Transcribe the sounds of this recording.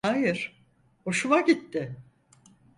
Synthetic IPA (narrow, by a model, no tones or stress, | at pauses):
ajɪɾ̥ | hoʃumaɟit̪ːɪ